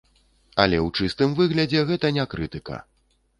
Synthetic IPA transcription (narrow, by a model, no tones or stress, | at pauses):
ɐlʲɛwt͡ʂɨst̪ɨmvɨɣlʲɐd͡zʲɛɣɛt̪ɐnʲakɾɨt̪ɨkɐ̰